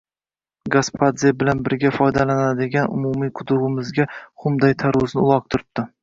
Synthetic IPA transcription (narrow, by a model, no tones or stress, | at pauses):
ɡaspʰad̪zebɪlanbɪɾɡʲafɒjd̪alanad̪ɪɡʲanʊ̰mʊmijqʰʊd̪ʊʁɪmɪzɡʲaχʊmd̪ajt̪ʰaɾʊznɪʊlˠɒq̚t̪ʰʊɾɪp̚d̪̥ʰɪ